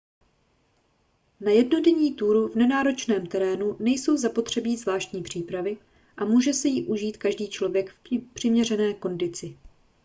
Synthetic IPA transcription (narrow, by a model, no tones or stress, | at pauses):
najɛdno̞dɛɲiːt̪uːɾuvnɛnaːɾo̞t͡ʃnɛːmt̪ɛɾɛːnunɛjso̞wzapo̞t̪r̥ɛbiːzvlaːʃt̪ɲiːpr̝̥iːpɾavɪ | ʔamuːʒɛsɛjiʔuʒiːt̪kaʒdiːt͡ʃlo̞vjɛkfpr̥ɪmɲɛrɛnɛːko̞ndɪt͡sɪ